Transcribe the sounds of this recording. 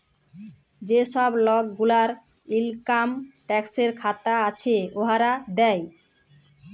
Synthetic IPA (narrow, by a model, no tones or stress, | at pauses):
d͡ʑeʃɔblɔk̚ɡulaɾ | ilkamʈɛkseɾkʰat̪aat͡ɕʰeoɦaɾad̪ɛj